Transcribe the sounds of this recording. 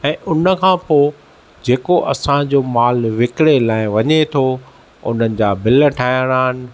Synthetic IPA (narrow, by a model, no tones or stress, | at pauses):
ɛ̃ːʔʊnəkʰãːpoː | d͡ʑeːkoʔɐsãd͡ʑoːmaːlʋɪkɽelaːɪ̃ʋɐɲet̪ʰo | ʊ̰n̤ənɪ̆d͡ʑaːbɪləʈʰaːɪəɽ̃aːɦɪnɪ̆